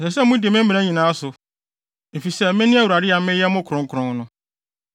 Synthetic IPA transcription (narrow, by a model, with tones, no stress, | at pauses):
sɛ˨sɛ˦mʊ̃˦dɪ˨mɪ̃˦m˦mĩ˨ã˦ɲĩ˨nã˨˦a˦sʊ˨ | m̩˨fi˨sɛ˦˨mɪ̃˦nɪ̃˦a˦wu˨ɾa˨dɪ˦a˨mɪ̃˦jɛ˦mʊ̃˦kʰɾʊ̃˨ŋ̩˦kʰʊ˨ɾʊ̃˦ŋ˦nʊ̃˦